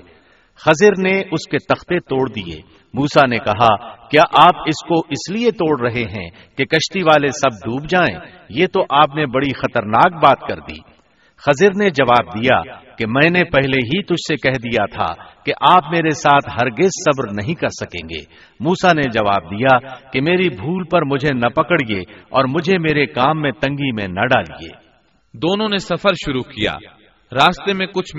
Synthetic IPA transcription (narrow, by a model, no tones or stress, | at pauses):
xɐzɪɾneʊsket̪ɐxt̪et̪oːɽd̪iḛː | muːsanekɐɦakjaːʔaːpɪskoʔɪsliet̪oːɽɾɐɦeɦɛ̰̃ | kekɐʃt̪iʋaːlesɐb̚d̪uːbd͡ʒaːḛ̃ː | jeːt̪oʔaːpnebɐɽixɐt̪əɾnaːk̚baːt̪kɐɾd̪ḭː | xɐzɪɾned͡ʒɐʋaːb̚d̪ija̰kemɛ̃ːnepɛɦleɦit̪ʊd͡ʒʱsekɛɦd̪ijat̪ʰa̰keʔaːpmeːɾesaːt̪ʰɦɐɾɡɪzsɐbɾnɐɦĩkɐɾsɐkḛ̃ːŋɡḛː | muːsaned͡ʒɐʋa̰ːb̚d̪ijakemeːɾibʱuːlpɐɾmʊd͡ʒʱenɐpɐkəɽieɔːɾmʊd͡ʒʱemeːɾekaːmːẽt̪ɐ̃ŋɡimẽnɐɖaːliḛː | d̪oːnõnesɐfəɾʃʊɾukija̰ː | ɾaːst̪emẽkʊt͡ʃʰ